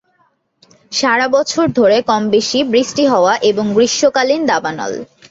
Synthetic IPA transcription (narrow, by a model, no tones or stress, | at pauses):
ʃaɾabɔt͡ɕʰoɾd̪ʱoɾekɔmbeʃibɾisʈiɦɔoaʔeboŋɡɾiʃːokalind̪abanɔ̰l